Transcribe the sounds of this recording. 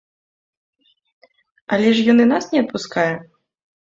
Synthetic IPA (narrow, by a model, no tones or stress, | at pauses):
ɐlʲɛʂjɔnɨnasnʲɛɐt̪̚puskajɛ